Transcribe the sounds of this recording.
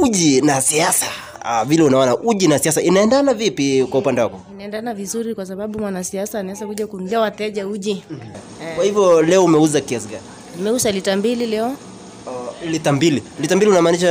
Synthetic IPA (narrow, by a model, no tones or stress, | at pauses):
uʄinasiasa | vilɛunaɔnaʔuʄinasiasainaɛndanavipikwaupandɛwakɔinaɛndanavizuɾikwas̬aɓaɓumwanasiasanaɛzakuʄakuŋliawatɛʄauʄi | kwahivjɔlɛɔumɛuzakiasiɡani | nimɛuzalitambililɛɔ | litambililitambiliunamaːniʃa